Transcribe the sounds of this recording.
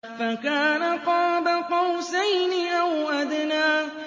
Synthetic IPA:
fakaːnak͡pɔːbak͡pɔwsejniawad̪naː

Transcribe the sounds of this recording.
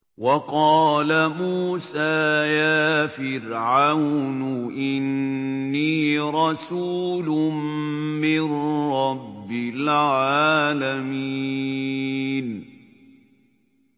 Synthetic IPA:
wɑqɑːlamuːsaːjaːfɪɾʕawnʊʔɪnː | iːɾˤɑsuːlʊmmɪnɾɑbːɪlʕaːlami | n

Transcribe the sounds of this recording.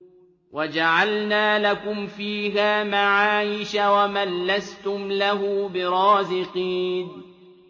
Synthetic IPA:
wad͡ʒaʕalnaːlakʊmfiːɦaːmaʕaːjɪʃawamalːast̪ʊmlaɦuːbɪɾˤɑːzɪqiːn

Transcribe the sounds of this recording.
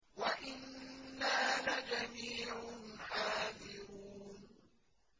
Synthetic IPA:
waʔɪnːaːlad͡ʒamiːʕʊnħaːðɪɾuːn

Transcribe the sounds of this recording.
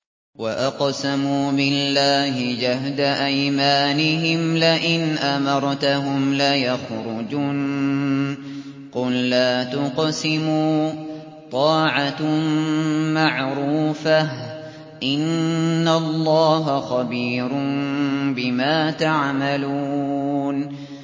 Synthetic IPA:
waʔɑqsamuːbɪlːaːhɪd͡ʒahd̪aʔajmaːnɪɦɪmlaʔɪnʔamɑɾˤt̪aɦʊmlajaxɾʊd͡ʒuːn | qʊlːaːt̪ʊqsɪmuː | t̪ˤɑːʕa | maʕɾuːfah | ʔɪnːalˤːɑːɦaxɑbiːɾʊnbɪmaːt̪aʕmaluːn

